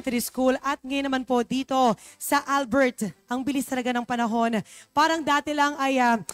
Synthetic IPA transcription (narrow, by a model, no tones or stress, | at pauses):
t̪ɾiskulɐt̪̚ŋɐjnɐmanpo̞d̪iːt̪o̞sɐʔalbɛɹt̪ʔɐŋbɪlist̪ɐlɐɡanɐŋpɐnɐɦo̞npaːɾɐŋd̪aːt̪ɛlɐŋɐja